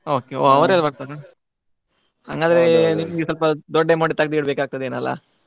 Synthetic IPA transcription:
oːkeoːɐʋɾelbɐɽt̪aːɾa | ha̰ŋɡaːd̪ɾeniːmɡesɐlpɐd̪ɔɖːemɐɖit̪ɐɡ̚d̪iɽbekaːɡ̚t̪ɐd̪eːnɐlːa̰

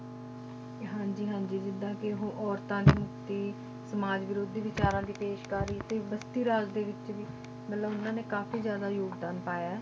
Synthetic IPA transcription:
ɦãːɲd͡ʒiːɦãːɲd͡ʒiːd͡ʒɪnd̪ãːkɪɦõːʔɔːɾt̪ãːneːmʊkt̪iː | səmaːd͡ʒʋɪɾoːd̪iːʋɪt͡ʃaːɾãːd̪iːpeːʃkaːɾiːt̪eːʋəst̪iːɾaːd͡ʒd̪eːʋɪt͡ʃʋiː | mət̪ləbʊnãːneːkaːfiːzjaːd̪aːjoːɡd̪aːnpaːjaːɛː

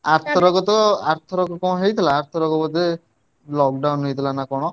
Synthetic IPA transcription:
aɾt̪ʰɔɾɔɡɔt̪ɔa̰ɾt̪ʰɔɾɔɡɔkɔɽ̃ɔɦejt̪ʰilaːɾt̪ʰɔɾɔɡɔbɔt̪e | lɔk̚ɖawnɦejt̪ʰilanakɔɽ̃ɔ

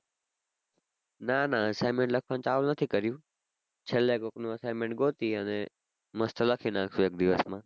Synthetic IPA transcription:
nãːnãɐsaːɪmẽɳʈlɐkʰʋə̃nt͡ɕaːʋlnɐt̪ʰikɐɾijũː | t͡ɕʰɐleːkoknũɐsaːɪmẽɳʈ̚ɡoːt̪iənẽ | mɐst̪ʰəlɐkʰĩnãːkʰuek̚d̪ɪʋəsmãː

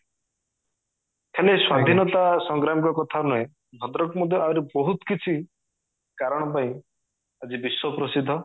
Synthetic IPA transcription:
kʰeleswad̪ʱinɔt̪asɔŋɡɾamikɔkɔt̪ʰanuẽ | b̪ʱɔd̪ɾɔkmɔd̪ʱjɔaɾibɔɦut̪kit͡ʃʰi | kaɾɔɽ̃ɔpaĩ | ad͡ʒibiswɔpɾɔsid̪ʱːɔ

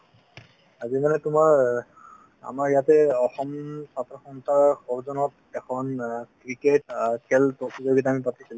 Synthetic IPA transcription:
azimanɛtʊmaɹ | a̰maɹijatɛɔxɔmsatːɔxɔntʰaɹxɔɹzɔnɔt | ɛkʰɔnkɹiketakʰɛltokizoɡitaamip̬atisil

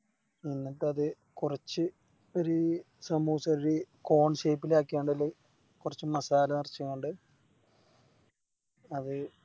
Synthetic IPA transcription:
inːɐʈːɨɐðɨ | kurɐt͡ɕːɨ | o̞ɾu | sɐmuːɐsɐɾɾuko̞ːɳɕejpːilaːkʲːiaːɳɖɐlːe | kurɐt͡ɕːɨmɐsaːlɐnirt͡ɕːukeːɳɖɨ | ɐðɨ

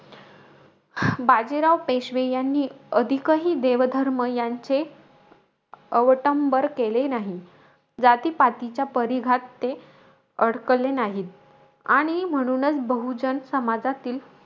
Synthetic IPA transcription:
bad͡ʑiɾaʋpeɕʋejanːiːəd̪ʱikəɦiːd̪eʋd̪ʱəɾməjaɲt͡se | əʋʈəmbəɾkelenaɦi | d͡zat̪iːpat̪it͡ɕjapəɾiɡʱat̪ːe | əɽ̤kəlːenaɦiːt̪̚ | a̰ɽ̃im̤əɽ̃uːnət͡sbəɦud͡ʑənsəmad͡zat̪iːl

